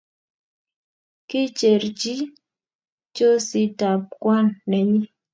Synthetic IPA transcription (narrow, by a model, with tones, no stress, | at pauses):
kɪ˦t͡ʃe˨ɾd͡ʒi˦ | t͡ʃo˦sɪ˦ta˨p̚kwa˦nːɛ˨ɲi˦